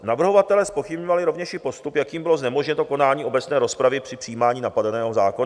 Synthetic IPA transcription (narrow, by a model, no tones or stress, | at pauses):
navr̩ɦo̞vat̪ɛlɛːspo̞xɪbɲovalɪɾo̞vɲɛʃɪpo̞st̪upjakiːmbɪlo̞znɛmoʒɲɛnt̪oko̞naːɲiːʔo̞bɛt͡snɛːɾo̞spɾavɪpr̥ɪpr̝̥ijiːmaːɲiːnapadanɛːɦozaːko̞na